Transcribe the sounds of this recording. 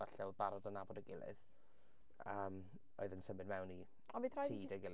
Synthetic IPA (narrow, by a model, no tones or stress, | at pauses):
aɬɛwbaɾɔdənabɔdəɡɪlˠɨ̰ð | əːm | o̰ɨðənsəmɨdmɛwni | ɔviθratʰiːdəɡɪlˠ